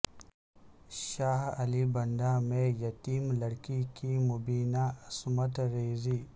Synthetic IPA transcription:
ʃaːhɐlibɐnd̪aːmẽjɐt̪iːmlɐɽkikimubiːnaɐsmɐt̪ɾeːziː

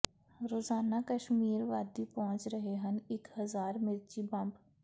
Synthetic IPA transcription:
ɾoːzaːnakəʃmiːɾʋaːd̪ipɔɦʊ̃ɲt͡ʃɾəɦeɦɐnɪkhɐzaːɾmɪɾt͡ʃibɐ̃mp

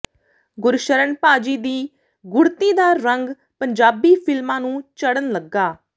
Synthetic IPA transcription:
ɡʊɾʃəɾənpaːd͡ʒiːd̪iː | ɡʊɾt̪iːd̪aːɾəŋɡ | pəɲd͡ʒaːbiːpʰɪlmãːnũːt͡ʃəɽənləɡːaː

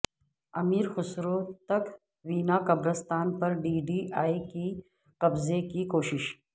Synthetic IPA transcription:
ɐmiːɾxʊsɾot̪ɐk | wiːnaːkɐbɾɐst̪ɑːnpɐɾɖiɖiʔaːiki | qɐbzekikoːʃɪʃ

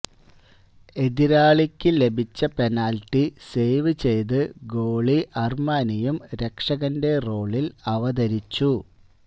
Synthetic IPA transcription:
e̞d̪iɾaːɭikʲːɨle̞bʱit͡ɕːɐpe̞naːlʈːise̞ːʋɨt͡ɕe̞jt̪ɨɡoːɭiʔɐrmaːnijumɾe̞kʂɐɣɐnde̞ro̞ːɭilɐʋɐd̪ɐɾit͡ɕːu

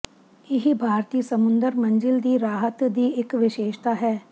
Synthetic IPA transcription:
ɪɦibʱaːɾt̪iːəsəmʊ̃nd̪əɾmə̃nd͡ʒɪld̪iːɾaːɦət̪d̪iːɪkʋɪʃeːʃt̪aːɦɛː

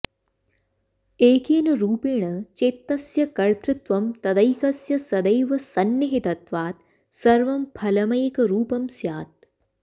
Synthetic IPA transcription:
eːkeːnɐɾuːpeːɳɐt͡ʃeːt̪ːɐsjɐkɐɾt̪ɾɪt̪ʋɐmt̪ɐd̪ɐjkɐsjɐsɐd̪ɐjʋɐsɐnjiɦit̪ɐt̪ʋaːt̪ | sɐɾʋɐmpʰɐlɐmɐjɐkɐɾuːpɐmsjaːt̪̚

